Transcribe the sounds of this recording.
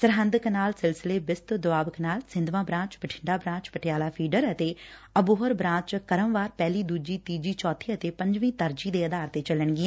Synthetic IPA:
səɾɦə̃nd̪əknaːlsɪlsɪleːbɪst̪d̪ʊbaːbəknaːlsɪ̃nd̪ʋãːbɾãːt͡ʃbəʈʰɪɳɖaːbɾãːt͡ʃpəʈʰɪjaːlaːpʰiːɖəɾət̪eːəbʊɦəɾbɾãːt͡ʃkəɾəmʋaːɾpɛːliːd̪uːd͡ʒiːt̪iːd͡ʒiːt͡ʃɔːt̪ʰːiːət̪eːpə̃ɲd͡ʒʋĩːt̪əɾd͡ʒiːd̪eːəd̪aːɾt̪eːt͡ʃələɳɡɪɛ̃ː

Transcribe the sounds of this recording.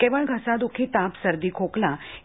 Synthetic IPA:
keʋəɭɡʱəsad̪ukʰit̪apsəɾd̪ikʰoklã

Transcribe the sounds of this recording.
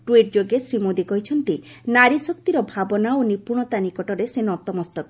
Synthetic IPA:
ʈwiʈ̚d͡ʒoɡesɾimod̪ikɔɦit͡ʃʰɔnt̪inaɾisɔk̚t̪iɾɔbʱabɔnaonipuɾɳ̃ɔt̪anikɔʈɔɾesenɔt̪ɔmɔst̪ɔk

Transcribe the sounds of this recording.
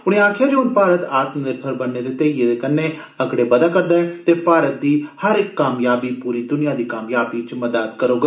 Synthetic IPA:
ʊɽ̃ẽːaːkʰjaːd͡ʒeʊnpaːɾət̪aːt̪md̪eːpʰəɾbənːeːd̪eːt̪eːieːd̪eːkənːẽː | əɡɽeːbəd̪aːkəɾd̪aːɛ̃t̪eːpaːɾət̪̚d̪iːhəɾɪkːaːmjaːbiːpuːɾiːd̪ʊnɪjãːd̪iːkaːmjaːbiːt͡ʃməd̪aːt̪kəɾoːɡa

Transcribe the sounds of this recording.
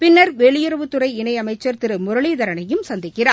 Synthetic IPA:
pɪnːɐɾʋeːɭɪjʊɾɐʋɯt̪ːɯɾɐɪɪnɐɪɐmɐɪt͡ʃːɐɾt̪ɪɾɯmʊɾɐɭiðɐɾɐnɐjɯmsɐnd̪ɪkːɪraː

